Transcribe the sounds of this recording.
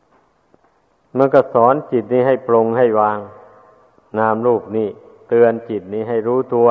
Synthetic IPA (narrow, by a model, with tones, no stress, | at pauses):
ma˧nkɔː˧˩sɔː˩˦nt͡ɕi˨˩t̪̚niː˥˩ɦa˥˩jplo˧ŋha˥˩jwaː˧ŋ | naː˧˩mɾuː˥˩p̚niː˥˩ | t̪ɯ˧ənt͡ɕi˨˩t̪̚niː˧˥˩ɦa˥˩jɾuː˦˥˩t̪u˧ɐ